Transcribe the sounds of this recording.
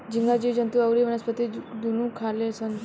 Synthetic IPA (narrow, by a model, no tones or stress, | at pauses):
d͡ʑiŋɡad͡ʑid͡ʑənt̪uəwɾiʋənəspət̪id̪unũkʰalesən